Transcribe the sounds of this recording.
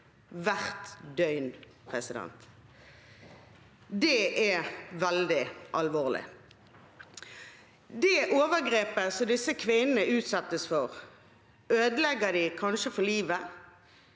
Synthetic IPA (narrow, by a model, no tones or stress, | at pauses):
ʋæʁt̪d̪œʏn | pʰʁɛsɪd̪ɛ̰nt̪ | d̪ɛʔɛʋɛld̪ɪʔɑlʋoːʁlɪ̰ | d̪ɛʔoːʋəʁɡʁeːpəsɔd̪ɪsəkʰʋɪnənəʔʉːt̪sɑt̪ːəsfɔʁ | øːd̪əlɛɡəd̪ɪkʰɑnʃəfɔliːʋə